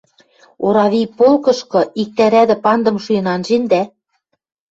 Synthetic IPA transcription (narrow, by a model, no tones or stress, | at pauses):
oɾɑβipolkɤ̆ʃkɤ̆ik̚t̪æɾæd̪ɘ̆pɑnd̪ɤ̆mʃujɤ̆nɑnʒend̪æ